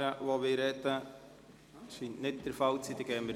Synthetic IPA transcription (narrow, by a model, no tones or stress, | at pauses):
əʋoʋɪːɾɛt̪ə | ʃintnɪt̚d̥əɾfɑlt͡sid̪ɛɡɛːmə